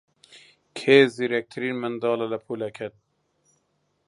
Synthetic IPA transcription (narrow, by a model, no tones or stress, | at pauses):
kʰeːziɾɛk̚t̪ʰɨɾiːnmɨnd̪ɑːlɐlɐpʰuːlɛkʰɛt̪̚